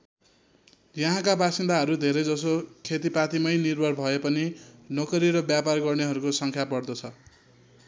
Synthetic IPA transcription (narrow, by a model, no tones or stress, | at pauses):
jʌɦãkabasind̪aɦʌɾud̪ʱeɾʌjd͡zʌsokʰet̪ipat̪imʌjnirbʱʌrbʱʌepʌninokʌɾiɾʌbjaparɡʌrneɦʌɾukosʌŋkʰjapʌrd̪ʌt͡sʰʌ